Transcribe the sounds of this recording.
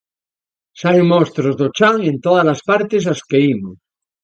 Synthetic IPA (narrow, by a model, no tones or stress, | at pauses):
saeŋmost̪ɾozðot͡ʃaŋent̪oðazlaspaɾt̪es̬askeimo